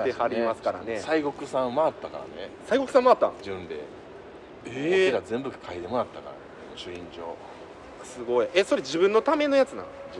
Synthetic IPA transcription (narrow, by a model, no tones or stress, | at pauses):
ehaɾʲimasɨ̥kaɾa̰ne̞saiɡo̞kɯ̟sãmaːt̪ːakaɾa̰nesaiɡo̞kɯ̟sãmaːt̪ːã̰d͡ʑɨ̃nd̪ḛ | kiɾazẽ̞mbɯkkʰaid̪e̞monat̪ːaka̰ɾa̰ | onoɕɨĩɲd͡ʑo̞ː | sɨɡo̞ieso̞ɾe̞d͡ʑibɯ̟̃nːo̞t̪ame̞no̞jat͡sɨnã̰